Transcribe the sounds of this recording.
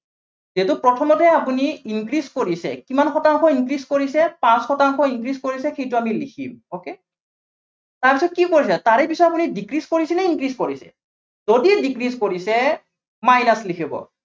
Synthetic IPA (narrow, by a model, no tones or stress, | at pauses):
zetʊpɹɔtʰɔmɔtɛapuniiŋkɹiskoɹisɛ̰kimanxɔtaŋxʰɔiŋkɹiskoɹisɛpãsxɔtaŋxʰɔiŋkɹiskoɹisɛxejtʊamilikʰḭmoke | taɹpisɔt̚kikoɹisɛtaɹɛpisɔtapunidikɹiskoɹisinɛinkɹiskoɹisɛ̰ | zodiɛdikɹiskoɹisɛ | majnaslikʰibɔ̰